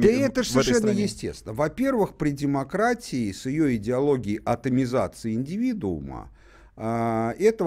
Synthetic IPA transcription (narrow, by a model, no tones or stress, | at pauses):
əɛt̪əsʲʂɛnːəjɪsʲtʲḛst̪ʲɪnəvɐpʲe̞rvɨxpɾʲɪdʲɪmɐkɾatʲɪɪsʲɪjo̞ɪdʲɪɐlˠo̞ɡʲɪɪʔɐt̪əmʲɪza̰t̪sɨɪɪnʲdʲɪvʲid̪ʊʊ̰mə̰ | ɛt̪ə